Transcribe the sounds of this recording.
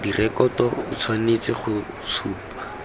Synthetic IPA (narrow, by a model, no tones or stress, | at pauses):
dirʔɛkɔtɔʊt͡sʰwanet͡sɪχʊ | t͡sʰuːpḁ